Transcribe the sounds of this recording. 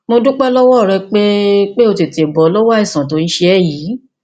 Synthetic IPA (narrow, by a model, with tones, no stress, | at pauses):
mo˧dũ˦k͡pɛ˦lɔ˦wɔ˦˨ɾɛ˧k͡pe˦k͡pe˦o˧ti˨te˨bɔ˨˦lɔ˦wa˦i˦˨sã˨to˨˦nĩ˦ʃe˧ɛ˦˨ji˨˦